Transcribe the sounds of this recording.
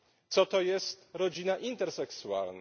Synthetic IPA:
t̪sɔt̪ɔjɛst̪ɾɔd͡ʑinaʔint̪ɛɾsɛksua̰ln

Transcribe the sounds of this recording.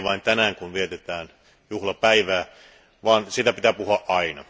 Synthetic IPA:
ʋɑint̪ænæːŋkunʋiet̪et̪æːn | juhlɑpæiʋæː | ʋɑːnsit̪æpit̪æːpuhuɑʔʔɑinɑ̰

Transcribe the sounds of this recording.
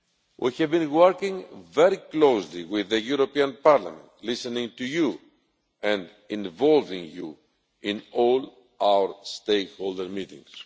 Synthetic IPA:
wʔḭhɛvbĩnwoɾkĩŋveɾiklowsliwiðəjuɾopiãnpaɾla̰mẽnt̪lisenĩŋt̪uju | ɛ̃nd | ĩnvolvĩŋjṵ | ĩnol | awə˞st̪ekhold̪əɾmit̪ḭ̃ŋs

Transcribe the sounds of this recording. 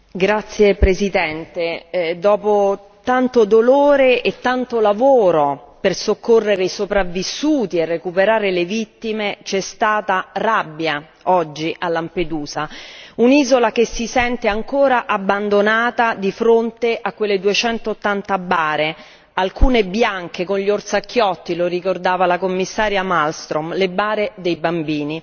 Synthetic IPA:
ɡɾat̪sjepɾezid̪ɛnt̪ed̪ɔːpo | t̪ant̪od̪oloːɾeʔet̪ːant̪olavoːɾopersokːorːeɾeisopɾavːisːuːt̪ierːekupeɾaːɾelevit̪ːimet͡ʃɛst̪aːt̪arabːja | ɔd͡ʒːiʔalːamped̪uːzauniːzolakesːisɛnt̪eaŋkoːɾaʔabːand̪onaːt̪ad̪ifɾont̪eʔakːwelːed̪uet͡ʃɛnt̪oːt̪ːant̪abːaːɾe | alkuːnebjaŋk̟ekonʎiort̪sakʰːjɔt̪ːiloɾikord̪aːvalakomːisːaːɾjamalst̪ɾomlebaːɾed̪ejbambiːni

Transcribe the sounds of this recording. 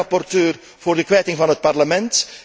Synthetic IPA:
ɑpɔrtøːr | v̥ʊːrdəkʋɛːtɪŋvɑnɦət̚pɑrləmɛnt

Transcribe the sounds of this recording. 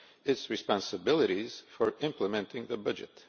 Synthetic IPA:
ɨtsɹɨspɑ̃nsəbɪlˠɨɾiz̥fɔɹɪ̃mpləmɛ̃ntʰɪ̃ŋðəbʌd͡ʒɨ̰t

